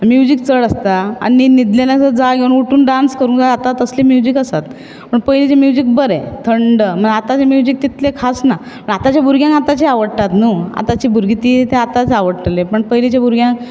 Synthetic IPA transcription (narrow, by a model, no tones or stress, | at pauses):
mjud͡ʑik̚t͡səɭəst̪aa̰ninid̪lenat͡səd͡zaɡʱeunuʈuːnɖanskəɾuːnɡaat̪at̪əsliːmjud͡ʑikəsat̪ | pəɳpəɦjlet͡ɕemjud͡ʑik̚bəɾet̪ʰəɳɖəm̤ənat̪at͡ɕemjud͡ʑik̚t̪it̪ʰlekʰasna | pəɳat̪at͡ɕjabʱuɾɡjãŋkat̪at͡ɕiaʋəɽʈ̪at̪nuːa̰t̪at͡ɕiːbʱuɾɡit̪iːt̪eat̪at͡saʋəɽʈlepəɳpəɦilet͡ɕabʱuɾɡʱjãŋk